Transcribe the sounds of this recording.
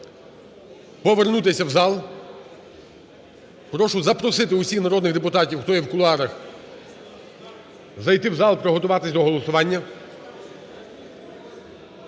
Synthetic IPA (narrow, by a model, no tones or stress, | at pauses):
pɔʋernut̪ɪsʲɐwzɑlˠ | pɾɔʃʊzɐpɾɔsɪt̪ɪʊsʲixnɐɾɔd̪nɪɣd̪epʊt̪ɑtʲiwxt̪ɔjɛwkʊlˠɑɾɐx | zɐjt̪ɪwzɑlˠpɾɔɦɔt̪ʊʋɑt̪ɪsʲd̪ɔɦɔlˠɔsʊʋɑnʲːɐ